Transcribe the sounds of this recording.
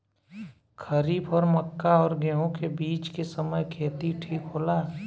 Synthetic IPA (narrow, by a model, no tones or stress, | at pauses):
kʰəɾiːbɔːɾməkːaɔːɾɡeɦõkebiːt͡ʃkesəməjkʰeːt̪iʈʰiːkɦoːlaː